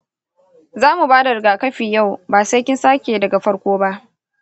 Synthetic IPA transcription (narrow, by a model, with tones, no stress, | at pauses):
zaː˦mu˨baː˦da˨ɾɪ˨ɡaː˨kɐ˦ɸi˨ja˦˨wbaː˨sɐ˦kʲɪ˦nsaː˦kʲeː˨dɐ˨ɡa˨ɸɐ˦ɽkʷoː˦ba˦ʔ